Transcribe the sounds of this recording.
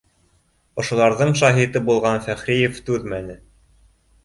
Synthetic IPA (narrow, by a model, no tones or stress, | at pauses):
ŏʃŏlˠɑɾðɤɴʃɑɦit̪ɤbulˠʁɑnfæχɾijeft̪ʉðmænɘ